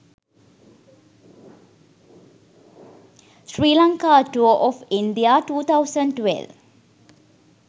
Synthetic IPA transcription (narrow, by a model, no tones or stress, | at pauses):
sɹiːlãŋkaʈuəʔɔfinɖiaʈuːt̪ʰaʊsə̃ɳʈwḛlʋ